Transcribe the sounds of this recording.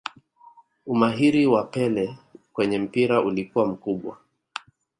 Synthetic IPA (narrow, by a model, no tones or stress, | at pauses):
umaɦiɾiwapɛlɛkwɛɲɛm̩piɾaulikuwam̩kuɓwa̰